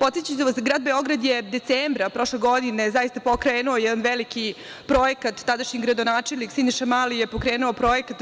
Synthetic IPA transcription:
po̞t̪set͡ɕat̪eʋasɡɾaːd̪̚beo̞ɡɾad̪jed̪et̪seːmbɾapɾo̞ʃleɡo̞d̪inezaist̪apokɾeːnuojɛd̪anʋeliki | pɾo̞jekat̪ːad̪aʃɲiɡɾad̪onaːt͡ʂelʲniksind̪iʃamalijepokɾeːnuopɾo̞jekat̪

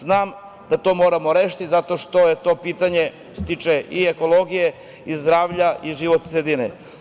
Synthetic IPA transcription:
znaːm | d̪at̪o̞ːmoːɾamo̞ɾeʃi̥t̪izat̪o̞ʃt̪o̞jet̪o̞ːpiːt̪aɲe̞ | t̪t̪it͡ʃeʔieko̞lo̞ɡije | izd̪ɾaːʋʎaʔiʒiʋot̪sɾed̪inḛ

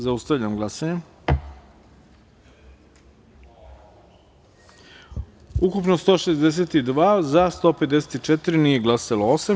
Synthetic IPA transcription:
zaust̪aʋʎamɡlˠasaɲe | ukupnost̪o̞ːʃezd̪es̬et̪id̪ʋaːzast̪o̞ːpe̞t̪d̪eset̪it͡ʃet̪iɾinije̞ɡlˠasaloosam

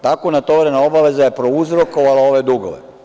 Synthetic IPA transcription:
t̪akonat̪oʋɾenaobaʋe̞zajepɾo̞uzɾoko̞ʋalao̞ʋe̞d̪uɡo̰ʋḛ

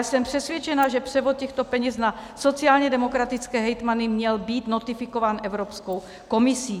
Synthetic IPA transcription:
asɛmpr̥ɛsvjɛt͡ʃɛnaʒɛpr̝̥ɛvot̪̚cɛxt̪opɛɲɛznasot͡siaːlɲɛdɛmokɾat̪it͡skɛːɦɛjt̪manɪmɲɛlbiːt̪not̪ɪfɪkovaːnʔɛvɾopskow | komisiː

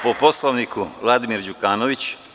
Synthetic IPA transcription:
popo̞slˠoʋnikuʋlˠad̪imiɾd͡ʑukaːnoʋit͡ɕ

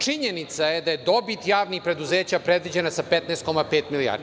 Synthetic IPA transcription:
t͡ʂiɲenit̪sajed̪aje̞d̪o̞bit̪jaːʋnixpɾe̞d̪uzeːt͡ɕapɾed̪ʋid͡ʑenasapɛt̪nɛst̪ko̞mapeːt̪milija̰ɾd̪i

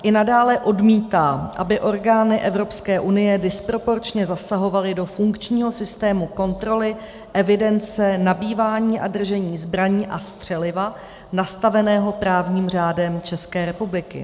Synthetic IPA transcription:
ʔɪnadaːlɛʔo̞dmiːt̪aːʔa̰bɪʔo̞ɾɡaːnɪʔɛvɾo̞pskɛːʔunɪjɛdɪspɾo̞po̞ɾt͡ʃɲɛzasaɦo̞valɪdo̞fuŋkt͡ʃɲiːɦo̞sɪst̪ɛːmuko̞nt̪ɾo̞lɪ | ʔɛvɪdɛnt͡sɛnabiːvaːɲiːʔadr̩ʒɛɲiːzbɾaɲiːʔast̪r̝̥ɛlɪva | nast̪avɛnɛːɦo̞pɾaːvɲiːmr̝aːdɛmt͡ʃɛskɛːɾɛpublɪkɪ̰

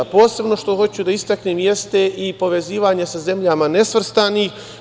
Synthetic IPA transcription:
po̞ːse̞bno̞ʃt̪o̞xo̞t͡ɕud̪aist̪akneːmje̞st̪e̞ʔipo̞ʋe̞ziːʋaɲe̞saze̞mʎamane̞sʋr̩st̪aniːx

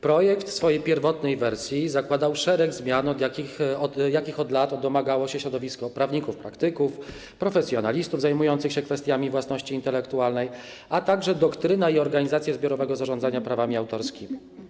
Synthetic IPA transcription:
pɾɔjɛkt̪fsfɔjejpʲjɛɾvɔt̪nɛjvɛɾsʲjizakwad̪awʂɛɾɛɡzmʲjanɔd̪jakʲixɔjakʲixɔd̪lat̪ɔd̪ɔmaɡawɔɕɛɕɾɔd̪ɔvʲiskɔpɾavɲikufpɾakt̪ɘkuf | pɾɔfɛsʲjɔnalʲist̪uvzajmujɔnt̪sɘxɕɛkfɛst̪jamʲivwasnɔɕt͡ɕiːnt̪ɛlɛkt̪ualnɛj | at̪aɡʐɛd̪ɔkt̪ɾɘnaiɔɾɡaɲizat̪sjazbʲjɔɾɔvɛɡɔzaʐɔnd̪aɲapɾavamʲiawt̪ɔɾskʲimʲi

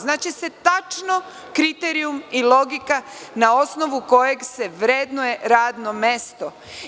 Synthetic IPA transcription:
znaːt͡ʃise̞t̪at͡ʃno | kɾit̪eɾiumilo̞ɡikanao̞sno̞ʋuko̞je̞ɡse̞ʋɾe̞d̪nuje̞ɾaːd̪no̞me̞st̪o̞

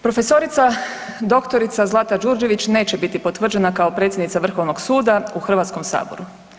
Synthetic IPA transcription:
pɾo̞fe̞so̞ɾit̪sa | d̪o̞kt̪o̞ɾit̪sazlˠat̪ad͡ʒuːɾd͡ʒe̞ʋit͡ɕne̞ːt͡ɕe̞bit̪ipo̞t̪ʋr̩d͡ʑe̞nakao̞pɾe̞t̪sʲjed̪nit̪saʋr̩xo̞ʋno̞ɡsuːd̪auxr̩ʋat̪sko̞msa̰ːbo̞̰ɾu

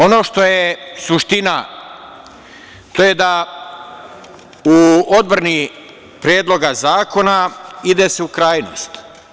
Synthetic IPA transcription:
o̞no̞ːʃt̪o̞jesuʃt̪ina | t̪oje̞d̪a | uod̪̚bɾani | pɾjeːd̪lˠo̞ɡazaːko̞naid̪e̞seukɾaːjno̰st̪

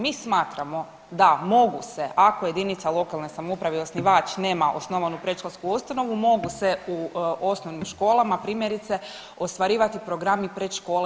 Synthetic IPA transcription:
miːsmaːt̪ɾamo̞ | d̪amo̞ɡuseʔako̞je̞d̪init̪salˠo̞kalˠnesamoupɾaʋeo̞sniʋaːt͡ʃneːmaʔosnoʋanupɾeʃloskuust̪ano̞ʋumo̞ɡuseuo̞snoʋnimʃko̞ːlˠamapɾiːmjeɾit̪se̞ | o̞st̪ʋaɾiːʋat̪ipɾoɡɾamipɾet̪ʃko̞ːle

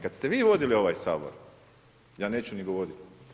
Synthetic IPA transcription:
kat̪st̪eʋiːʋo̞d̪ilio̞ʋaːjsa̰ːbo̰ɾ | jaːne̞ːt͡ɕuniɡoʋodit̪

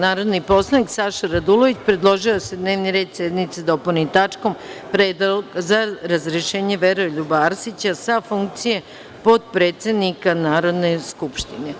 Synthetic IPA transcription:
naːɾo̞d̪nipo̞slˠaniksaʃaɾad̪ulo̞ʋit͡ɕpɾe̞d̪lˠo̞ʒiose̞d̪ne̞ːʋniɾe̞ːd̪sed̪nit̪sed̪o̞ponit̪at͡ʂko̞mpɾed̪azaɾazɾeʃe̞ːɲe̞ʋeɾoʎubaːɾsit͡ɕasafuŋk̚t̪sije̞ | po̞d̪̚pɾe̞ːt̪se̞d̪nikanaːɾo̞d̪ne̞skupʃt̪ine̞

